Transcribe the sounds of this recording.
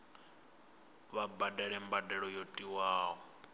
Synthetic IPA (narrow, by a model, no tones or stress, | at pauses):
βabadɛɺɛmbadɛɺɔjotʼiwaːɦɔ